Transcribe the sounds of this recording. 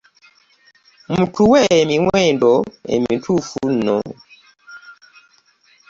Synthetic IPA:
mutʰuwɛemiŋwɛndɔḛmitʰufun̩nɔ̰

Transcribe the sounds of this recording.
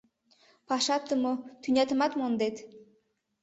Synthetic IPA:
paʃat̪ːɨmot̪ʰynʲat̪ɨmat̪mond̪et̪

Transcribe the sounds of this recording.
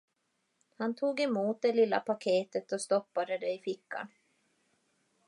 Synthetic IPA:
hant̪ʰuːɡɛmuːt̪̚d̪ɛlɪlːa̰pʰakʰeːt̪ət̪ɔst̪ɔpːad̪əd̪ɛɪfɪkːa̰n

